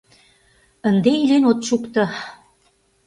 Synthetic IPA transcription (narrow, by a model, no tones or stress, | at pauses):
ə̆nd̪eilenot̪ʃukt̪ɤ̆